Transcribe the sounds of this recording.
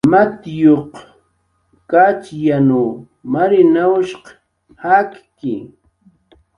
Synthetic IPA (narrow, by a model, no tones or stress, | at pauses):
mat̪joq | kat͡ʃjanu | maɾɪnawʃq | hakkɪ̰